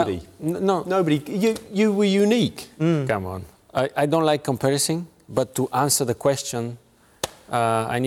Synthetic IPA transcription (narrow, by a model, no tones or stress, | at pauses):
ɾḭnonoʊbəɾijɨjɨwə˞junikkʌ̃mə̰̃n | aɪʔaɪdõʊ̃ntlaɪkʰːə̃mpʰɛɹɨsɪ̃ŋ | bʌtʰːəʔæ̃nsə˞ðəkʰw̥ɛst͡ʃə̃n | ʌa̰ɪni